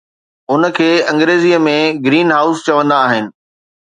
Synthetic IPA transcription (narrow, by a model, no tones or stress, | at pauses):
ʊnə̆kʰeːɐ̃ŋɡɾeːzijəmẽɡɾiːnɦaːʊst͡ɕɐʋə̃nd̪aːɦɪnɪ̆